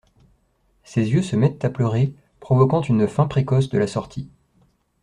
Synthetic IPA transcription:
sezjøsəmɛt̪t̪aplœʁe | pχɔvɔkɑ̃t̪ynfɛ̃pχekɔsd̪əlasɔʁt̪ʰi

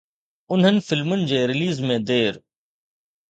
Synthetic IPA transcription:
ʊn̤ɦənɪ̆fɪlmʊnɪ̆d͡ʑeːɾɪliːzmẽd̪eːɾ

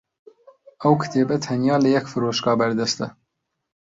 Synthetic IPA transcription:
ɛwkʰɨ̥t̪ʰeːbɛt̪ʰɛnjɑːlɨjɛkfɨɾoːʃkɑːbɐɾd̪ɛst̪ɛ

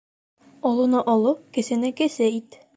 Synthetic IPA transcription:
ɒlˠunɤʔɒlˠɤkɘ̆sɘ̆nɘkɘ̆sɘit̪

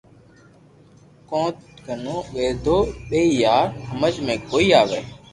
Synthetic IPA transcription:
kõːt̪ɡʱənõːʋeːd̪ʱoːɗeiːjaːɾhəməd͡ʒmẽːkoːiːaːʋeː

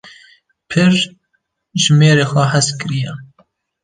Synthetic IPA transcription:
pʰɨɾ | ʒmeːɾeːxʷɛɦaskɨɾijɛ

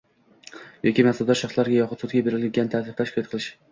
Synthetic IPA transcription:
jɒkʲimasald̪aʃaχslaɾɡʲajɒqʰʊt̪sʊt̪ɡʲabeɾɪlɡʲant̪ʰazɪχt̪aʃkʰɑt̪̚qʰɨlˠɪʃ

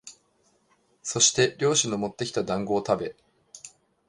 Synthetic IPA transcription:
so̞ɕi̥t̪e̞ɾʲo̞ːɕinomo̞t̪ːe̞kʲi̥t̪ad̪ãŋɡo̞ːt̪abe̞

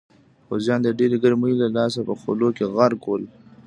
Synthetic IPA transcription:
xozjɑːnd̪əɖeɾɡəɾmuilalɑːs̬apəxo̰lokeɣaɾkol

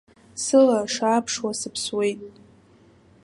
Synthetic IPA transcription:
sɨlaʂaːpʰʂwasɨpʰswe̞jtʼ

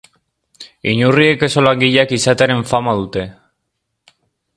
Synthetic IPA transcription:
iɲurie̞ke̞so̞laŋɡiʎakisat̪eɾe̞ɱfamaðut̪e̞

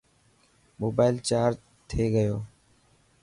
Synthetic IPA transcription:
moːbaːɪlt͡ʃaːɾd͡ʒ | t̪ʰeːɡəjoː

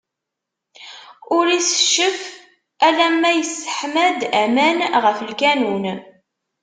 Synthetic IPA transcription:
ʊɾisə̥ʃːəf | ælæmːæjəsə̥ħmæd̪æmænʁəfəlkænun

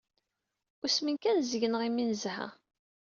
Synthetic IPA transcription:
ʊsmənkænzəʝənʁimːinzhæ̰

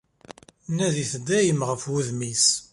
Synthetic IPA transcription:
næðiθəd̪ːæjəmʁəfwuðmis

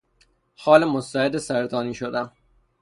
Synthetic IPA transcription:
xɒːlemost̪æed̪esæɾd̪ɒːniːʃod̪æm

